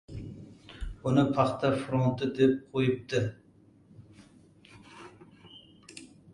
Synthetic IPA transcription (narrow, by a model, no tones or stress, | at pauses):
ʊnɨpʰɑχt̪afɾont̪ʰːɨd̪ep̚qʰojəp̚t̪ɪ